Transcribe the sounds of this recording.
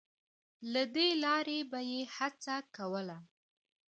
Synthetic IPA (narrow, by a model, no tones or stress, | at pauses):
lad̪elɑɾebajehat͡sakawəla